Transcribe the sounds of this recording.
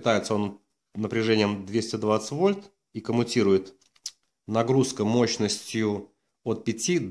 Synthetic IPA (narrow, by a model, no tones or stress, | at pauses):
ɪt̪ajɪt̪səon | nːəpɾʲɪʐɛnʲɪjəmd̪vʲesʲtʲɪd̪vat̪sə̥tʲvo̞lʲt̪ | ikəmʊtʲiɾʊjɪt̪ | nɐɡɾuskəmo̞ɕnəsʲtʲjʊ | ot̪̚pʲɪtʲid̪